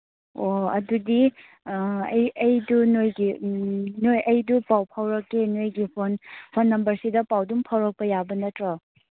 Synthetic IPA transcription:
oɐ̰dudi | ɐ̰jɐjdunojɡi | nojʔɐjdupawpʰawɾɐkːenojɡipʰonpʰonːɐmbɐɾsidɐpawduŋpʰawɾɐk̚pɐjabɐnɐtɾɔ

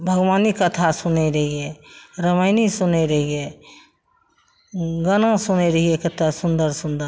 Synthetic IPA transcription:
bʱəɡʋaːnikət̪ʰasʊneɾəɦieɾəməɪnisʊneɾəɦie | ɡənãsʊneɾəɦiekɐt̪ʰasʊnd̪əɾsʊ̃nd̪əɾ

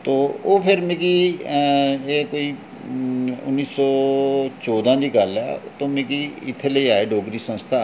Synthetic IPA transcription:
t̪oːoːpʰɪɾmẽkiː | eːkoːiː | ʊnːiːsɔːt͡ʃɔːd̪ãːd̪iːkəlɛ̰ːt̪õːmẽːkiːɪt̪ʰːeːləiːaːeːɖoːɡɾiːsə̃nst̪ʰaː

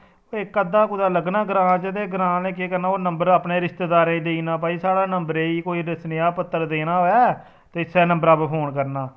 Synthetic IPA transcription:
oːɪkːəd̪aːkʊd̪aːləɡnãːɡɾãːt͡ʃəd̪eːɡɾãːlẽːk̬eːkəɾnaːoːnəmbəɾapneːɾɪst̪eːd̪aːɾẽːd̪eiːnãːpaːiːsaːɽaːnəmbəɾeːiːkoːiːɾɪsnɪjaːpət̪ːəɾd̪eːnaːɦoːjaː | t̪eːsɛːnəmbəɾaːppʰoːnkəɾnaː

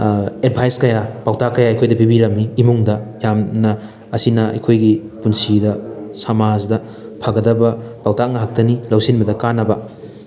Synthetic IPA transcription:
ed̚bʰʱajskɐjapawtakɐjaɐjkʰojdɐpibiɾɐmiːmuŋdɐjamnɐ | ɐsinɐɐ̰jkʰojɡi | punsidɐsamazdɐ | pʰaɡɐdɐbɐpawtaŋɐɦak̚tɐnilɐwsinbɐdɐkanːɐbɐ

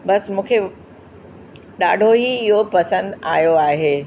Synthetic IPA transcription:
bɐsmũːkʰe | ɗaːɖʱoɦiɪɦopɐsə̃nd̪aːjoaːɦeː

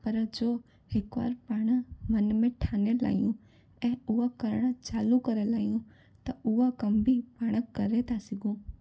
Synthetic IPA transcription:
pɐɾd͡ʒoː | hɪkʋa̰ːɾpaːɽ̃əmɐnmẽʈʰaːnela̰ːijũ | ɛ̃ːʊɦakɐɾəɽ̃t͡ʃaːlukɐɾelaːjũ | t̪ɐʊɦakɐmbʱipaːɽ̃əkːɐɾet̪ʰasɪɡʱũː

